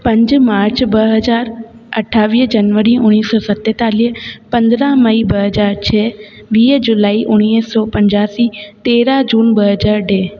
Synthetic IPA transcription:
pɐ̃ɲd͡ʑmaːɾt͡ɕbɐɦɐzaːɾ | ɐʈʰːaːʋiːɦd͡ʑɐnʋəɾiʊɽ̃iːsɔːsɐt̪et̪aːliɦəpɐ̃nd̪ɾamɐibɐɦɐzaːɾt͡ɕʰɛː | ʋiːɦd͡ʒʊlaːiʔʊñiːsɔːpɐ̃ɲd͡ʑaːsit̪eːɾad͡ʒuːnbɐɦəzaːɾɖɛː

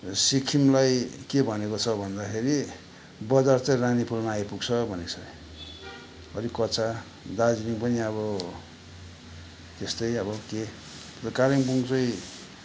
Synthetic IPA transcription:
sikʰimlajkebʱʌnekot͡sʰʌbʱʌnd̪akʰeɾi | bʌd͡zart͡sʌ̃j̃ranipʰulmaːjpuɡt͡sʰʌbʱʌnet͡sʰʌ | ʌɾikʌt͡sa | d̪ad͡ziɾiŋpʌniʌβʌ | t̪est̪ʌjʌbʌke | t̪ʌkaɾiŋbuŋt͡sʌ̃j̃

